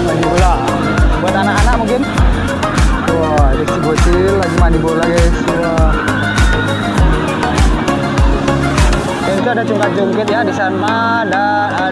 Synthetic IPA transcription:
laɡibolaʔ | buat̪anakanaʔ̚muŋkɪn | adaksibuat̪ilaɡimadibolaɡasua | dant̪uadat͡ʃuŋkad͡ʒɔŋkɛt̪̚jadisana | da

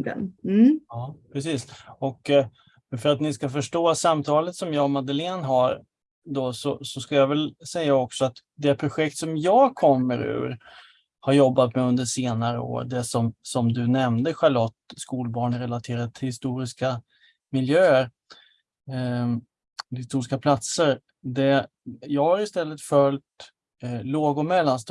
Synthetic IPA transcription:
ɡə̰nɑːpʰɾɛsiːsɔk | fœɾat̪nɪskafœʂʈoːasamt̪ʰɑːlət̪sɔmjɑːmad̪əleːnɦaɾ | d̪ɔsɔsɔskaljavɛlsɛjːaɔksɔat̪ | d̪ɛpʰɾʊɧɛk̚t̪sɔmjɑːɡkʰɔmːəɾʉ̟̰ːɾ | haɾjɔbːat̪mɛɵnd̪əʂeːnaɾə̰o̰ːɾɖɛsɔmsɔmd̪ɵnɛmd̪əɧaɭɔt̪ːskuːlbɑːɳɾɛlat̪ʰeːɾad̪ət̪ʰɪlhɪst̪uːɾɪska | mɪljøːəɾ | hɪst̪uːɾɪskapʰlat̪səɾ | d̪ɛ | jɑːɡhaɾɪst̪ɛlːət̪fœlt̪ | loːɡʊmɛlːanst̪

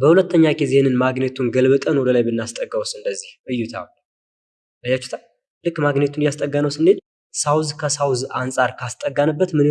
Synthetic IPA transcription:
bəhulət̪ːəɲːaɡizehenɨnmaɡnət̪ʰunɡəlbɨt̪ʼənwɔd̪əlajbɨnːast̪ʼəɡːawsɨnd̪əzːihʔɨjːut̪ʰa̰l | bəjat͡ʃːu̥t̪ʰa | lɨkːmaɡnət̪ʰunjast̪ʼəɡanəwsɨned̪ | sawzkʰəsawzansʼaɾkʰast̪ʼəɡːanəbːət̪mɨn

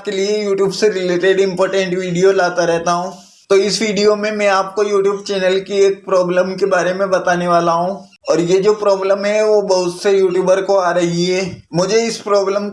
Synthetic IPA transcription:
p̚keliejuːʈjuːbseɾɪleːʈeɖɪ̃mpɔːɾʈə̃ɳʈʋiːɖijolaːt̪aɾɛɦt̪aɦũː | t̪oɪsʋiːɖijomẽmɛ̃ːaːp̚kojuːʈjuːbt͡ʃɛːnəlkieːk̚pɾɔːbləmkebaːɾemẽbɐt̪aːneʋaːlaɦũː | ɔːɾjed͡ʒoːpɾɔːbləmɦɛʋobɐɦʊt̪sejuːʈjuːbəɾkoaːɾɐɦiɦɛːmʊd͡ʒʱeɪspɾɔːbləm

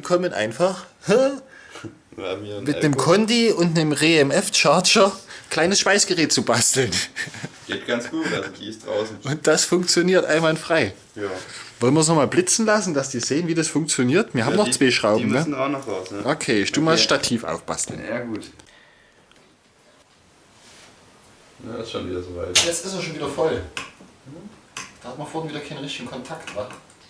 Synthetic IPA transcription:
ikʰɔmənʔa̰ɪnfaχh | mɪnəmkʰɔndiʊntnəmʁeːɛmɛft͡ʃaɐt͡ʃɐkl̥aɪnəsʃpaɪsɡ̥əʁɛːt̚t͡subastl̩nɡ̥etɡ̥anɡ̥u̥ːisd̥ʁa̰ʊs̩ʔʊnt̚d̥asfʊŋk̚t͡sjoniːɐtʔa̰ɪnvanfʁ̥aɪ | jvɔlənmviːɐs̬nɔχmaːlblɪt͡sn̩lasn̩d̥asd̥iːzeːənviːdasfʊŋk̚t͡sjoniːɐtviːɐɦaːbmnɔχt͡sv̥aːʃʁ̥aʊbm̩nəɡʁaːdnɔχv̥asnəʔokʰeːɪʃd̥uːmaːlʃtatʰiːfʔa̰ʊfb̥a̰stl̩njaːɡuːt | ja̰ɪsʃoːnviːdɐzoːva̰ɪjɛt͡stɪsɐʃoːnviːdɐfɔl | d̥aːhatmɐfoːɐhɪnviːdɐkʰaɪnənʁɪçtɪɡŋ̩kʰɔntʰaktva

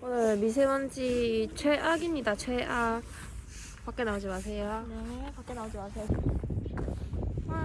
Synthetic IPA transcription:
konɯɭmis̬ʰewʌnd͡ʑit͡ɕʰweʔaɡimɲidat͡ɕʰweʔa | pak͈e̞naod͡ʑimas̬ʰe̞jopak͈enaud͡ʑimasʰejo

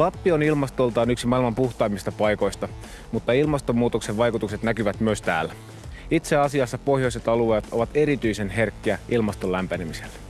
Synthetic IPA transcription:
lɑpːio̞nilmɑst̪o̞lt̪ɑːnyksimɑilmɑmpuxt̪ɑimist̪ɑpɑjko̞jst̪ɑ | mut̪ːɑilmɑst̪o̞mːuːt̪okseʋʋɑjkut̪ukset̪nækyʋæt̪myøst̪æ̰ːlːæ | it̪seɑsiɑsːɑpo̞hjo̞iset̪ɑlueːt̪o̞ʋɑt̪e̞ɾit̪yisenɦe̞rkːiæilmɑst̪o̞lːæmpænemiselːæ

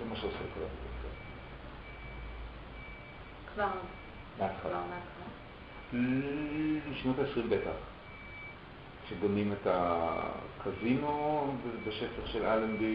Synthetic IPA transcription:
zemaʃeosekalatitefka | kva | meat̪χalaatala | ʃnotaesʁimbetaχ | ʃeɡamimeta | kʰazinovebeʃefaχʃelʔalembi

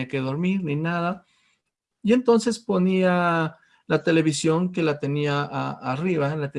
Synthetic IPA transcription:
ake̞ðo̞ɾmiɾninaða | ie̞nt̪o̞nse̞spo̞nia | lat̪e̞le̞βisjo̞ŋke̞lat̪e̞niaʔaːriβalat̪e

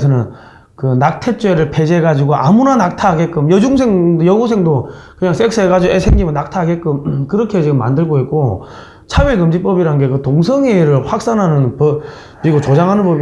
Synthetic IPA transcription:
sʰʌnɯn | kɯnak̚tʰeɭt͡ɕ͈eɾɯɭpʰe̞d͡ʑeɡad͡ʑiɡoʔa̰munanak̚tʰaɡek͈ɯmjʌd͡ʑuŋsʰe̞ŋdjʌɡusʰe̞ŋdo | kɯɲaŋs͈ʰeks͈ʰɯɦeɡad͡ʑiɡoesʰeŋɡimɯnːak̚tʰaɡek͈ɯmkɯɾʌkʰe̞t͡ɕiɡɯmːa̰ndɯɭɡoit̚k͈o | t͡ɕʰaɥikɯmd͡ʑip͈ʌbiɾanɯnɡe̞kɯtoŋsʰʌŋeɾɯɭɸwak̚s͈anɦanɯnpʌ | piɡot͡ɕod͡ʑaŋɦanɯnp͈ʌbi

